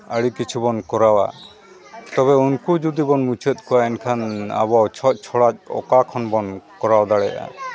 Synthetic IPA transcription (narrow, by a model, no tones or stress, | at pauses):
əɽikit͡ʃʰubɔnkɔɾawa̰ | t̪ɔβɛunkud͡ʒud̪ibɔnmut͡ʃʰət̪̚ˀkɔwaɛnkʰana̰bawt͡ʃʰɔt̚ˀt͡ʃʰɔɽac̚ɔ̰kakʰɔnbɔnkɔɾawd̪aɽɛʔa̰